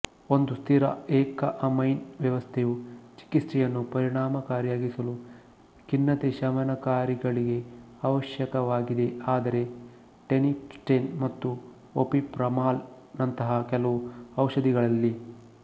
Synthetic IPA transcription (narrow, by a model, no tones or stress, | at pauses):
o̞nd̪ust̪ʰiɾɐ̰eːkɐʔɐmɐjnʋjɐʋɐst̪ʰejut͡ʃi̥kisɾɛjɐnːupɐɾiɳ̃aːmɐkaːɾjaːɡisɐlu | kinːɐt̪eʃɐʋɐnɐkaːɾiɡɐɭiɡe̞ | ɐʋɐʃjɐkɐʋaːɡid̪e̞aːd̪ɐɾe̞ | ʈenipsʈenmɐt̪ːu | opipɾɐmaːl | nɐnt̪ɐɦɐkɛlɐʋuɐwʂɐd̪iɡɐɭɐlːi